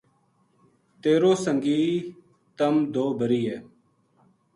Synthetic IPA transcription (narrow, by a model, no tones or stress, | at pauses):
t̪eːɾoːsəŋɡiː | t̪əmd̪oːbəɾiːɛː